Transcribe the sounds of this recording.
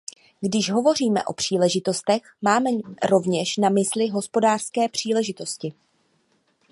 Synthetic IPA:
ɡdɪʃɦo̞vo̞riːmɛ̰ʔo̞pr̝̥iːlɛʒɪt̪o̞st̪ɛxmaːmɛɾo̞vɲɛʃnamɪslɪɦo̞spo̞daːr̥skɛːpr̝̥iːlɛʒɪt̪o̞scɪ

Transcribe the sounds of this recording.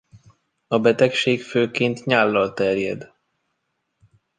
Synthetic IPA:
ɒbɛt̪ɛkʃeːkføːkent̪ɲaːlːɒlt̪ɛrjɛd̪

